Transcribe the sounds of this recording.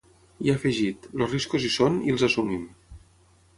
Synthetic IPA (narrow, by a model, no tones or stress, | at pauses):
iafəʒit̪losriskuzisonilˠzasumim